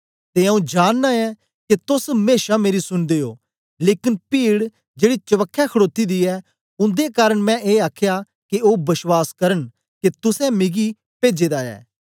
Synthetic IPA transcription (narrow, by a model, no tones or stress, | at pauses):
t̪eɐũd͡ʒaːnːaɛ | ket̪ʊsmeːʃameːɾisʊnd̪eːo̰ː | leːkɪnpiːɽ | d͡ʒeːɽit͡ʃɐʋəkʰːɛkʰɐɽoːt̪id̪iɛ | ʊ̃nd̪ekaːɾəɽ̃mɛ̃ʔeːaːkʰja | keoːbɐswaːskɐɾən | ket̪ʊsɛ̃mɪɡi | peːd͡ʒeːd̪aɛ̰ː